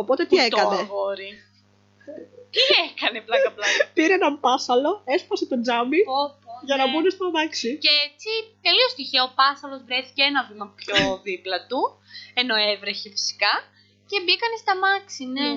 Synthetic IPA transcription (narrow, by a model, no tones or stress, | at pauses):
o̞pot̪e̞t̪iet̪kɐnevoɾi | t̪iekɐneplɐkɐplɐpiɾeenɐmpɐsɐlo̞e̞spɐset̪o̞nd͡zɐmioʝɐnɐbunest̪ɐmɐksiceet͡sit̪e̞liost̪içiɐopɐsɐlo̞zvɾeθiceenɐvimɐpçoðiplɐt̪u | e̞no̞evɾeçe̞fi̥si̥kɐ | ce̞bikɐnest̪ɐmɐksine